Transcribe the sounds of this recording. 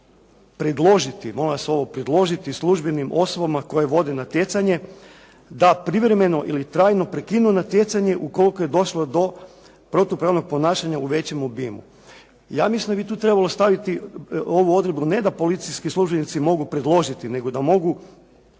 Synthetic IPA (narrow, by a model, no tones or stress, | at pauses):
pɾed̪lˠo̞ʒit̪imo̞laseo̞ʋo̞pɾed̪lˠo̞ʒit̪islˠuʒbe̞nimʔo̞so̞bamako̞jeʋo̞d̪enat̪je̞t̪saɲe̞ | d̪apɾiʋɾeme̞no̞ʔilit̪ɾaːjno̞pɾekinunat̪je̞t̪saɲe̞ʔuko̞likoje̞d̪o̞ʃlod̪o̞ | pɾo̞t̪upɾaːʋno̞ɡ̚po̞naːʃaɲauʋe̞t͡ɕe̞mobiːmṵ | ja̰ːmislimnd̪abit̪uːt̪ɾe̞balˠo̞st̪aʋit̪io̞ʋuo̞d̪ɾebnune̞d̪apo̞lit̪siskisluʒbenit̪simo̞ɡupɾe̞d̪lˠo̞ʒit̪ine̞ɡo̞d̪amo̞ɡu